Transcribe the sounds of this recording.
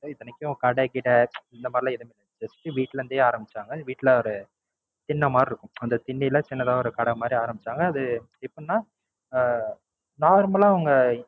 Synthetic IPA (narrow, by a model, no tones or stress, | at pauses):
ɪðɐnɛkʲːɪjʊ̃kɐɽɛkɪʈːɐɪnd̪ɐmaːdɾɪlãːɪðɐmenɐnt͡ʃɐsʈːɯʋiːʈːɪlɛɾɯnd̪eːaːɾɐmbɪt͡ʃːaːŋɡɐʋiːʈːlɐɔɾɯ | t̪ɪnːɐmaːdɾɪɾɯkːɯ̃ɐnd̪ɐt̪ɪnːilɐt͡ʃɪnːɐðaːɔɾɯkɐɽɐmaːd̪ɾiaːɾɐmbɪt͡ʃːaːŋɡɐːðɯ | ɪpːɐnːaː | naːɾmɐlãːʋɐŋɡɐ